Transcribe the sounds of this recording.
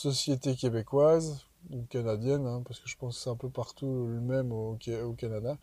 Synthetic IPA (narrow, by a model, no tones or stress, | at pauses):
sɔsjet̪ekʲebekwaz | ukanad̪jɛnɛ̃paʁsə̥kəʒəpɑ̃ssaɛ̃pøpaʁt̪ulɥimɛmokeokanad̪a